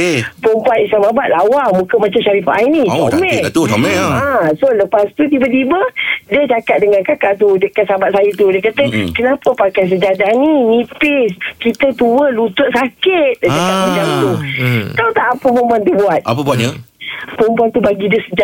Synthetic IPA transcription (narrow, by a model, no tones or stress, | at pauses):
pompanislamabat̪̚lawaŋmukəmat͡ʃamʃaɾifaʔainiʔmɛt̪uamɛasoləpast̪ut̪̬ibət̪ibədət͡ʃakat̪̚dəŋankakaʔt̪udəkat̪̚sabat̪̚sajət̪udəkat̪əkənapəpakajs̬əd͡ʒadaninipɪskit̪ət̪uwəlut̪ʊʔ̪̚sakɪt̪̚dəd͡ʒakat̚əd͡ʒaŋt̪ut̪awt̪aʔapəmomant̪ubuat̪̚a̰pəbuat̪ɲəpəmpuant̪ubaɡidəsəd͡ʒaʔ